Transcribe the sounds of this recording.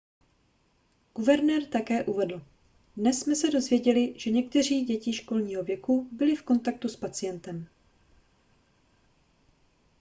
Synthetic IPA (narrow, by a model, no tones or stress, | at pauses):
ɡ̥uvɛɾnɛːɾt̪akɛːʔuvɛdl̩ | dnɛsːmɛsɛdo̞zvjɛɟɛlɪʒ̥ɛɲɛk̚t̪ɛr̝iːɟɛcɪʃko̞lɲiːɦo̞vjɛkubɪlɪfko̞nt̪ak̚t̪uspat͡sɪjɛnt̪ɛm